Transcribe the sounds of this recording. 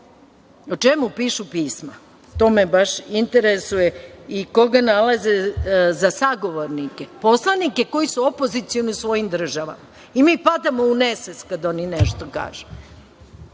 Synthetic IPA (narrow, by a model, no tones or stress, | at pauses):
o̞t͡ʃemupiːʃupiːsma | t̪o̞ːmebaʃint̪eɾesujeiko̞ɡanalazezasaɡo̞ʋoɾnikepo̞slˠanike̞ko̞jisuopo̞zit̪sioniusʋo̞jimd̪r̩ʒaʋa̰ma | imiːpad̪amouneset̪skad̪o̞nineʃt̪o̞ka̰ːʒu̥